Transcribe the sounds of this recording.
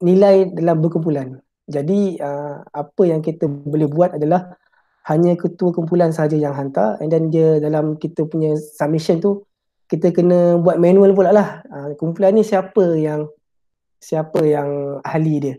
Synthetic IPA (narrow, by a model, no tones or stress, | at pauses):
nĩlajdalambərkumpulan | d͡ʒadiəmapəjaŋkit̪əbolɪhbuat̪̚adalah | haɲə̃kət̪uəkumpulansəɦad͡ʒajaŋɦant̪a̰ɛ̰ndandiədalamkit̪əpuɲə̃samiʃənt̪u | kit̪əkənə̃buat̪̚manũəlpulaʔlahəkumpulanːisiapəjaŋ | siapəjaŋahlidiə